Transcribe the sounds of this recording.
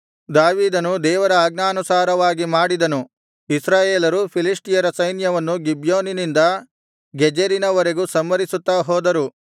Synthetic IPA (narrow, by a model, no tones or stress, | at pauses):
d̪aːʋiːd̪ɐnud̪ɛːʋɐɾɐaːɡnaːnusaːɾɐʋaːɡimaːɽid̪ɐnu | isɾaːjeːlɐɾupʰilisʈijɐɾɐsɐjnjɐʋɐnːuɡibjoːninind̪ɐ | ɡɛd͡ʒeɾinɐʋɔɾeɡusɐmʋɐɾisut̪ːaːɦɔːd̪ɐɾu